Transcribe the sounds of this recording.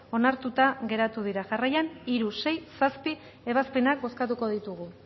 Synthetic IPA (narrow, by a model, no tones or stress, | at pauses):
o̞naɾt̪ut̪aɣe̞ɾat̪uðiɾaʝarajaniɾuse̞jsaspi | e̞βaspe̞nak̚bo̞skat̪uko̞ðit̪uɣ̞u